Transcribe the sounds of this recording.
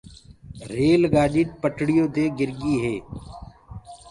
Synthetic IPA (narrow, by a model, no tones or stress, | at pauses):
ɾeːlɡaːɗiːt̪̚pəʈʰɽɪjoːd̪eːɡɪɾɡiːɦeː